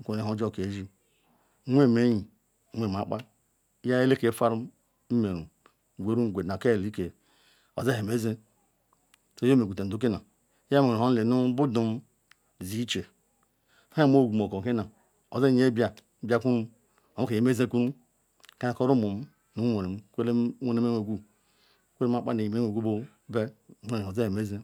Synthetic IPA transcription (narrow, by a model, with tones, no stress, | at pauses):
ku˨e˨o˦d͡ʒo˦˨ke˨˦ʒi˦ | wʷe˦˨me˦ji˨˦ | ŋʷ˦e˨m˨a˨˦k͡pa˦ | ja˦e˦le˦ke˨˦fa˦ɾu˦ | m̩˦me˨ɾu˨ | ɡʷe˨˦ɾu˦˨ɡʷe˨na˨ke˦˨li˦ke˨ | o̰˨ze˦ɦe˨me˦ze˦ | so˦jo˦me˨ɡu˨te˨du˦k̬e˦na˨˦ | a˦me˨o˦le˨nu˦bu˦du˨m˦˨ | zi˦t͡ʃe˨ | ha˦m˦o˦˨ɡu˨m˨o˨ko˨ke˦na˨ | o˨ze˦e˦bja˨˦ | ba˦ku˦ɾu˦ | o˨˦ke˨e˨˦me˦ze˦ku˦ɾu˦ | ka˦˨ko˦ɾu˦mu˨m˦ | nu˦o˨ne˨m˦kʷe˦le˦o˦ne˦me˦e˨ɡʷu˦ | kʷe˦ɾe˦ma˦˨k͡pa̰˦ne˨i˨me˦e˨ɡʷu˦bo˦ | be˦˨˦o˦˨o˨ze˦he˨me˦ze˦